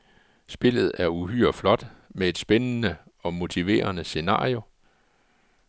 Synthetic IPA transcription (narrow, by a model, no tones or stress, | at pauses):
sb̥e̝l̰ð̞̩ˠæɐuɦyːɐ̰flɒ̽d̥mee̝d̥sb̥enənəɒ̽mo̝t͡sʰiʋe̝̰ːɐnəse̝nɑ̰̈ːio̝